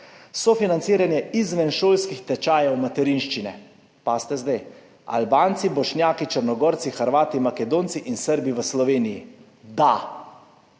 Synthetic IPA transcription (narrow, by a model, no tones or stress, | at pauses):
sɔfinant̪siːɾanjɛizʋɛnʃoːlskixt̪ɛt͡ʃaːjawmat̪ɛɾinʃt͡ʃinɛ | past̪ɛzd̪ɛj | a̰lbaːnt̪sibɔʃnjaːkit͡ʃəɾnɔɡɔːɾt̪sixəɾʋaːt̪imakɛd̪oːnt̪siʔinsəɾbiʋəslɔʋeːniji | d̪a